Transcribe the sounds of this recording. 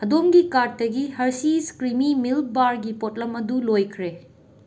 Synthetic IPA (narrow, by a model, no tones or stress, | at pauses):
hɐdomɡikat̚dɐɡihɐɾsiskɾimimil̚baɾɡipot̚lɐmɐdulojkʰɾe